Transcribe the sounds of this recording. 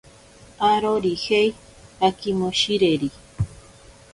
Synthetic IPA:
aɾoɾihej | akimoʃiɾeɾi

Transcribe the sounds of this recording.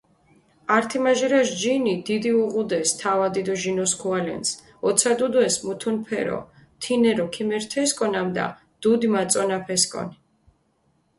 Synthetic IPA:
aɾt̪ʰimaʒɛɾaʃd͡ʒinid̪id̪iuʁud̪ɛst̪ʰavad̪id̪ɔʒinɔskʰualɛ̰ns | ɔt̪sʰad̪ud̪ɛsmut̪ʰunpʰɛ̰ɾɔ̰ | t̪ʰinɛɾɔkʰimɛɾt̪ʰɛskʼɔnamd̪a̰ | d̪̥ud̪imat̪sʼɔnapʰɛskʼɔ̰ni

